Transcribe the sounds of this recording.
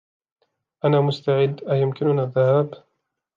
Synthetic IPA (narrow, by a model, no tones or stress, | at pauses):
ʔanaːmʊst̪aʕɪd̪ːʔajʊmkɪnʊnaːðːahaːb